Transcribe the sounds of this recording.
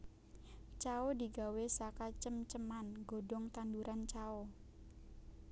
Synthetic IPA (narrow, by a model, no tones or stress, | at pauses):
t͡ʃaodiɡa̤wesakat͡ʃəmt͡ʃəmanɡo̤dɔŋt̪anduɾʔant͡ʃao